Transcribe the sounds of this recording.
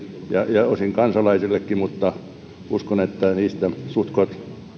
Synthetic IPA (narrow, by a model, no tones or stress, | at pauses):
jɑjɑosiŋkɑnsɑlɑisilːekːimut̪ːɑ | uskonet̪ːæniːst̪æsut̪kot̪